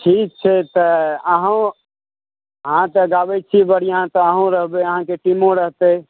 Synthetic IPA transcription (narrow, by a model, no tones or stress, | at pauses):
ʈʰik̚t͡ʃʰɛt̪əəɦã | ɦãt̪əɡabɛt͡ʃʰibəɽijãt̪ɔəɦõɾəɦbeəɦãkeʈimõɾəɦt̪e